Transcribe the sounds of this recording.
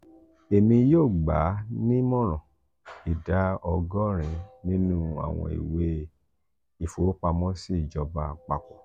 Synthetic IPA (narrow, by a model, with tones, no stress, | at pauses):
e˨mĩ˧joː˦˨ɡ͡ba̰˨˦nĩ˦mɔ̃˦ɾ̃ɔ̃˨ | i˨da˨˦ɔ˧ɡɔ˦ɾ̃ĩ˧nĩ˦nũ˦a̰˦˨w̃ɔ̰̃˧ḭ˨we˦ | i˦˨fo˨˦k͡pa˧mɔ̃˦si˦˨d͡ʒɔ˧ba˧k͡pa˧k͡pɔ˨